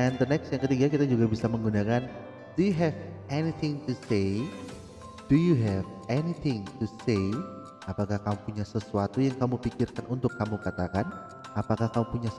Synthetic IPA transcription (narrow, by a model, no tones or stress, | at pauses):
ɛnd̪ənɛksjaŋkət̪iɡakit̪ad͡ʒuɡabisaməŋɡunakan | d̥ujuɦɛvɛnit̪ʰɪŋt̪usej | d̥ujuɦɛv | ɛnit̪ʰɪŋt̪usej | apakahkamupuɲasəsuat̪ujaŋkamupikɪrkanʔunt̪ʊkːamukat̪akan | apakahkamupuɲa